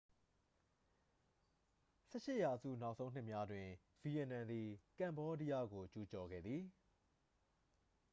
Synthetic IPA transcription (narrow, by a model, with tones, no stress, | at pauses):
sɛ˦˨ʃɪ˦ʔja˨zṵ˦˨na˦ʊʔsõ˦ʊ̃n̥ɪ˦ʔmja˦dwɪ̃˨ | v̥i˨jɛ˨nã˨nd̪i˨kã˨mbɔ˦di˦ja˦˨ɡo˨t͡ɕu˨t͡ɕɔ˨ɡɛ̰˦˨d̪ði˨